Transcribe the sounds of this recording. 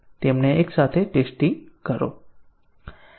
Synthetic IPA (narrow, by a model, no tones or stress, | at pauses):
t̪emneeksat̪ʰeʈesʈĩŋɡkəɾo̰